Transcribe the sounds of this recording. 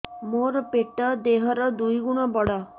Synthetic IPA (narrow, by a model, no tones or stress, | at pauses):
moɾpeʈəd̪eɦəɾəd̪uiɡuɳ̃ɔbɔɽa